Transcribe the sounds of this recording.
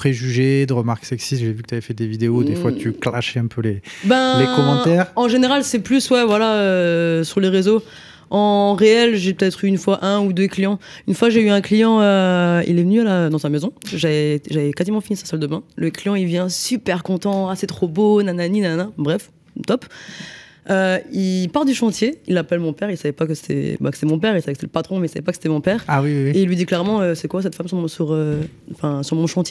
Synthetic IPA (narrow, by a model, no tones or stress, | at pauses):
pχeʒyʒed̪əʁəmaʁksɛksist̪ʒɛvykət̪yavɛfɛd̪evid̪eod̪efwat̪yklaʃɛɛ̃pʰølebɛ̃lekɔmɑ̃t̪ɛʁɑ̃ʒeneʁalsɛplyswɛvwalaøsyʁleʁezo | ɑ̃ʁeɛlʒepət̪ɛt̪χyːnfwaʔɛ̃ud̪øklijɑ̃ynfwakʒeyɛ̃klijɑ̃øḭlɛvənyalaød̪ɑ̃samezɔ̃ʒaɛʒavɛkazimɑ̃finisasald̪əbɛ̃ləklijɑ̃ilvjɛ̃sypɛʁkɔ̃t̪ɑ̃asɛt̪χobonananinanɛ̃bʁɛf | t̪ɔp | øilpaʁd̪yʃɑ̃t̪jeilːapɛlmɔ̃pɛʁilsavɛpakəse̥t̪ʰɛ̰bakəset̪ɛmɔ̃pɛʁilsavɛkset̪ɛləpat̪χɔ̃mɛilsavɛ̰pakəse̥t̪ɛmɔ̃pɛːʁawiwwieilːɥid̪iklɛʁmɑ̃øsɛkwas̬ɛt̪famssyʁø | ɑ̃fɛ̃syʁmɔ̃ʃɑ̃t̪ʲje